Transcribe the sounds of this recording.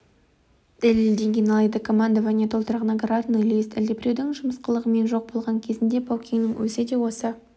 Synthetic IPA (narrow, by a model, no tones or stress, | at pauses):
d̪̥æleld̪e̞ŋɡʲenɑlˠɑjd̪əkʰo̞mand̪aʒanet̪ʰo̞lˠt̪əɾʁənɑɡɾɑt̪nujlest̪ɪld̪epɾʲewd̪ɪŋʒʊməsqəlˠəʁəme̞nʒo̞q̚bo̞lˠʁɑŋkʲʰe̞zɪnd̪e̞bʰowkʲiŋnɪŋwɵsɪd̪e̞wo̞sə